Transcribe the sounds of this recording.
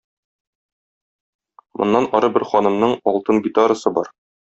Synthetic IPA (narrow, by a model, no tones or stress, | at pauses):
mŏ̰nːɑnɒɾɤbɘɾχɒnɤ̆mnɤɴɒlˠt̪ɤnɡʲit̪aɾəsɤbɒ̰ɾ